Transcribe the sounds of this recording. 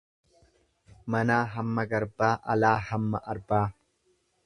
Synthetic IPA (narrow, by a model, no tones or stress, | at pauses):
mɐnaːɦɐmːɐɡɐɾbaːʔɐlaːhɐmːɐʔɐɾbaː